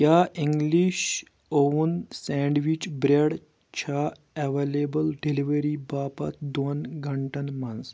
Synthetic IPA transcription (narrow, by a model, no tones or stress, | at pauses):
jʲaʔiŋɡliɕ | ounsɛɳɖʋit͡ʃbɾeɽ | t͡ʃʰa | eʋelebəlɖeliʋeɾibaːpɐ̰t̪d̪onɡʱɐɳʈɐnmɐns